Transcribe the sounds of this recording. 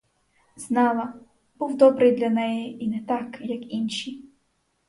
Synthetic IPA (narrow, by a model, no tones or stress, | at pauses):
z̥nɑlˠɐ | b̥uwd̪ɔbɾɪjd̪lʲɐnɛjiʔinɛt̪ɑkjɐkinʲʃi